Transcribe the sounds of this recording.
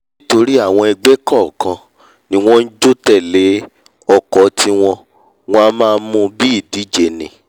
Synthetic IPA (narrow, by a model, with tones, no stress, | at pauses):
to˧ɾi˦a˦˨w̃ɔ̃˧ɛ˧ɡ͡be˦kɔ˦˨kã˧ | nĩ˦w̃ɔ̃˦n̩˦d͡ʒo˦tɛ˦˨le˨˦ | ɔ˦˨kɔ˨˦tʰi˧w̃ɔ̃˧ | wɔ̃˧a˧˦mãː˦˧˦mũ˧bi˦i˦˨di˨˦d͡ʒe˨nĩ˨